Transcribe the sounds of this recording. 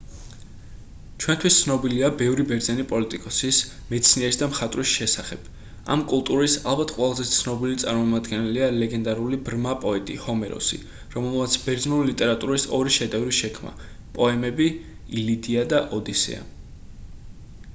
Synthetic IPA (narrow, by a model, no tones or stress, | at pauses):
t͡ʃʰwɛnt̪ʰwist̪sʰnɔbiliabɛvɾibɛɾd̪zɛnipʼɔlit̪ʼikʼɔsismɛt̪sʰniɛɾisd̪amχat̪ʼɾisʃɛsaχɛb̥ | a̰mkʼulˠt̪ʼuɾisalˠbat̪ʰqʼwɛlˠazɛt̪t̪sʰnɔbilit̪sʼaɾmɔmad̪ɡɛnɛlialɛɡɛnd̪aɾulibɾmapʼɔɛt̪ʼḭhɔmɛɾɔ̰sḭ | ɾɔmɛlˠmat̪sʰbɛɾd̪znulilit̪ʼɛɾat̪ʼuɾisɔɾiʃɛd̪ɛvɾiʃɛkʰma̰ | pʼɔɛmɛbi | ilid̪iad̪aʔɔd̪isɛ̰a̰